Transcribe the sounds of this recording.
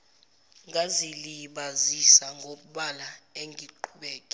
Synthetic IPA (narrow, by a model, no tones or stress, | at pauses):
ŋɡʱaziliɓazisaŋɡʱoɓuɓalaeŋɡʱiǃʰuɓɛːkʼi̥